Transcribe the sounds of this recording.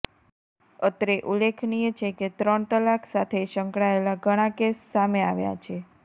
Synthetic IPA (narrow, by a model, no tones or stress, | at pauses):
ət̪ɾeʔulːekʰnijet͡ʃʰeket̪ɾəɳt̪əlːaksat̪ʰeʃəŋkɽaelaɡʱəɽ̃akesːameaʋja̰t͡ʃʰe